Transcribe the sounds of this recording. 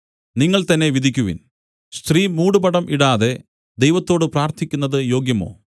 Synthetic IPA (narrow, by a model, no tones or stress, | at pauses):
niŋːɐɭt̪ɐnːe̞ʋid̪ʱikʲːuʋḭn | st̪rimuːɽubɐɽɐmʔiɽaːðe̞ | d̪ejʋɐt̪ːo̞ːɽɨpraːrt̪ʰikʲːunːɐðɨjo̞ːɡjɐmo̞̰ː